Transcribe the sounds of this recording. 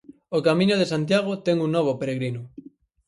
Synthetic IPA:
okamĩɲoðesant̪jaɣ̞ot̪ɛŋuŋnoβ̞opeɾeɣɾinʊ

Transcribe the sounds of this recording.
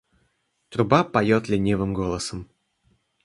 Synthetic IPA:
t̪ɾʊbapɐjot̪lʲɪnʲevɨmɡo̞lˠəsəm

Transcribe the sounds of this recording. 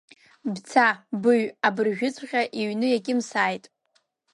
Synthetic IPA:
bt͡sʰabɨɥabɨrʒᶣʊt͡sʷʰʼχʲaʔiɥnɨjaɡʲɪmsaːjtʼ

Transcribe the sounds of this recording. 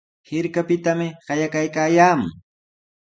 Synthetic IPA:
hɪɾkapɪt̪amɪɢɑjakajkaːjaːmʊ̰ŋ

